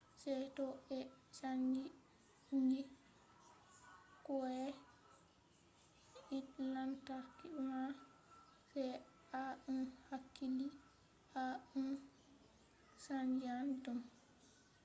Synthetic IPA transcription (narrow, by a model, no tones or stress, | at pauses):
sɛjtɔɛsaɲd͡ʒi | ɲd͡ʒi | kɔɛ | ilantaɾkiuma | sɛ | aɗunhakːili | aun | saɲd͡ʒiandum